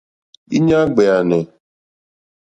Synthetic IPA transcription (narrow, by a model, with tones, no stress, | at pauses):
ḭ˦ɲa˦ɡ͡be˨a˨nɪ˨